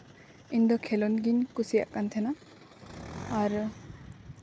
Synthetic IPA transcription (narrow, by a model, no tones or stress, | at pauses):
ind̪ɔkʰelɔnɡinkusija̰ʔkːantʰena | ɾu